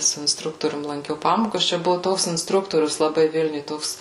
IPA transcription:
sʊ ɪnsˈtrʊktoːrʲʊm lˠɐŋʲˈkʲɛʊ ˈpɑːmoːkɐs t͡ʃʲɛ ˈbʊʋʊ ˈtoːks ɪnsˈtrʊktoːrʲʊs lˠɐˈbɐɪ ˈʋʲɪlʲnʲʊj ˈtoːks

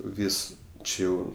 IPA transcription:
ˈʋʲiːs ˈt͡ʃʲɪ jɛʊ

